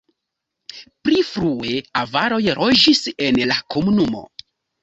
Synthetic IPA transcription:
pɾifɾue̞avaɾo̞jɾʔod͡ʒise̞nlako̞munumo̞̰

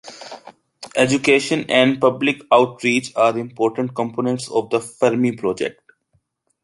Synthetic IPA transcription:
ʔɛd͡ʒukeːʃə̃nɛ̃ɳɖpʌblɪkaʊʈɾiːt͡ʃaːɾɪ̃mpɔːɾʈə̃ɳʈ̚kɔ̃mpoːnə̃ɳʈsɔːʋd̪əfɐɾmipɾɔːd͡ʒḛk̚ʈ̚

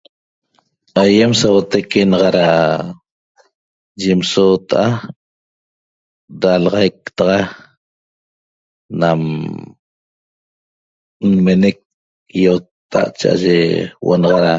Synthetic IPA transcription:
ajemsawot̪ekenɑʁɑɾa | d͡ʒimsoːt̪aʔa | dalɑʁɑjk̚t̪ɑʁɑ | nam | nmenek̚ | jot̪ːa̰ʔt͡ʃa̰ʔa̰ʒewʔo̰nɑʁɑɾa

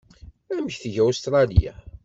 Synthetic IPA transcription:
æməçθʝæost̪ɾˤɑlḭja̰

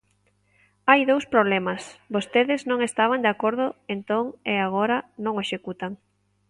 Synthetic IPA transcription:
ajðowspɾoβlemasbost̪eðɪznõŋest̪aβand̪eakoɾðʊent̪oŋeaɣ̞oɾɐnõŋeʃekut̪aŋ

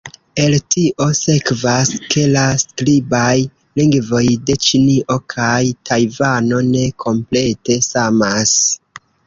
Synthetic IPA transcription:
e̞ltiʔo̞se̞kvaskʰe̞lasklibaj | liŋɡvo̞jde̞t͡ʃiniʔo̞kʰajtʰajvano̞ne̞kʰo̞mple̞te̞samas

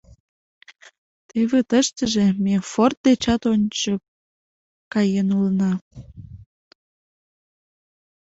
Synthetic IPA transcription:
t̪eβet̪əʃt̪əʒemefort̪̚d̪et͡ɕɑt̪onʲt͡ɕə | kɑjenulnɑ

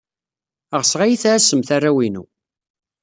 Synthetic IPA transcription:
əʁsʁajiθææsəmθarˤːæwinṵ

